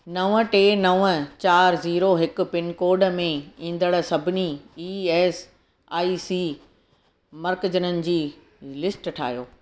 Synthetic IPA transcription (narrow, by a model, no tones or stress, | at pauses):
nɐʋəʈeːnɐʋət͡ɕaːɾziːɾoɦɪkʊ̆pɪnkoːɾɖmẽĩːn̆d̪əɽsɐbʱɪniiːeːs | aːiːsiː | mɐɾkd͡ʑənənɪ̆d͡ʑiː | lɪsʈʈʰa̰ːɦijoː